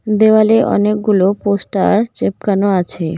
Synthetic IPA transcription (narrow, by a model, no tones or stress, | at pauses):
d̪ewaleʔɔ̰nek̚ɡuloposʈaɾt͡ɕep̚kanoat͡ɕʰe